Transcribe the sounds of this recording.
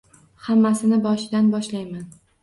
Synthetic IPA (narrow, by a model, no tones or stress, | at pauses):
hamːasɪnɪbɒʃɪd̪anbɒʃlajman